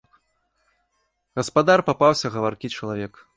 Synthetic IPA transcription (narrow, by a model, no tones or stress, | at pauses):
ɣɐspad̪arpapawsʲɐɣɐvarkʲit͡ʂɐlˠavʲɛk